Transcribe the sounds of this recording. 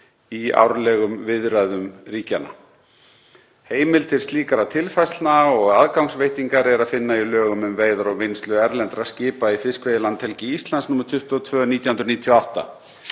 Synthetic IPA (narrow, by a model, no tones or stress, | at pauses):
ia̰wɾlɛɣʏmvɪðɾajðʏmriːcana̰ | heːjmɪlt̪ʰɪl̥st̪liːkaɾat̪ʰɪlfajsnaɔɣaðkawŋsvejht̪iŋkaɾɛɾaðfɪnːailœːɣʏmʏmveːjðaɾɔɣvejnst̪lʏɛɾlɛnt̪ɾascɪːpaifɪskvejðɪlant̪ʰɛlcɪist̪lansnuːmːɾʏt̪ʰʏht̪ɔt̪ʰvœːniːt̪jahʏnɾniːt̪ʰiɔawht̪a̰